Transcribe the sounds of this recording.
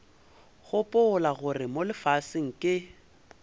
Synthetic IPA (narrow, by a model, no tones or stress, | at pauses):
ɣʊpʼʊʊlaɣʊrɪmolɪfasɪŋ̩kʼɪ